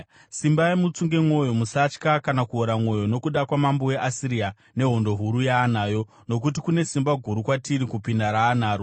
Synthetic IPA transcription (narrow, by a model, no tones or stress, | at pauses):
simbaimut͡suŋɡe̞mwo̞jo̞musat͡ʃkakanakuoɾamwo̞jo̞no̞kuɗakwamambowe̞ʔasiɾia | ne̞ɦo̞ndo̞ɦuɾujaːnaːjo̞ | no̞k̬ut̬ikune̞simbaɡʱuɾukwatiɾikupindaɾaːnaːɾo